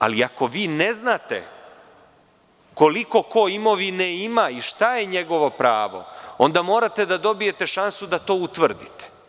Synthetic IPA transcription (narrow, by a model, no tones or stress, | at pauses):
a̰liako̞ʋiːneznaːt̪e̞̰ | ko̞liko̞ko̞imo̞ʋineimaiʃt̪aje̞ɲe̞ɡo̞ʋo̞pɾa̰ːʋo̞̰o̞̰nd̪amo̞ːɾat̪e̞d̪ad̪o̞bije̞t̪e̞ʃansud̪at̪o̞ːut̪ʋr̩d̪it̪e̥